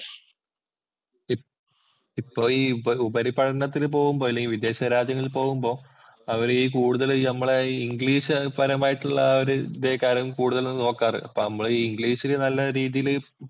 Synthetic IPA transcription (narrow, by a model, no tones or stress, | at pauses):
i | ipːo̞ːiːɐubɐɾipɐʈɐnɐt̪̬ːilp̬o̞ːɣumbo̞ːɐlːeŋɡilʋid̪e̞ːɕɐɾaːd͡ʑjɐŋːɐɭilpo̞ːɣumbo̞ː | ɐʋɐɾiːk̬uːɽuðɐlnɐmːɐɭeiŋɡɭiːɕɨpɐɾɐmaːjiʈːuɭːɐɐɾud̪e̞ːkaːɾɐumkuːɽuðɐlnɐnːɨno̞ːkːaːrɨ̰ɐpːoːnɐmːɐɭiːiŋɡliːɕilenɐlːɐɾiːðijil